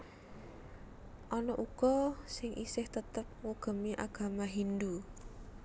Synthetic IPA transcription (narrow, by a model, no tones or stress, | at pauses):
ʔɔnɔʔuɡ̥ɔsɪŋʔḭsɪht̪ət̪əp̚ŋuɡ̥ə̤miʔaɡ̥a̤maɦind̪u